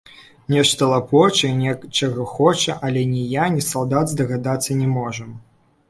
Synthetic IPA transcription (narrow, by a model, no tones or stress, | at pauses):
nʲɛʂt̪ɐlˠapɔt͡ʂɐnʲɛt͡ʂɐɣɐxɔt͡ʂɐʔɐlʲɛnʲɛjanʲɛsalˠd̪ad̪zd̪ɐɣad̪at̪sːɐnʲɛmɔʐɐm